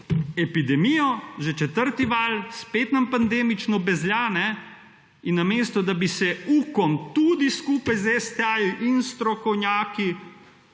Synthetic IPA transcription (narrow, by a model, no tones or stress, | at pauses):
ɛpid̪ɛmijɔʒɛt͡ʃɛt̪əɾt̪iʋaːlspeːt̪nampand̪eːmit͡ʃnɔbɛzljaːnɛ | inːameːst̪ɔd̪abisɛuːkɔmt̪ud̪iskuːpajzɛst̪ɛajuʔinst̪ɾɔkɔwnʲjaːki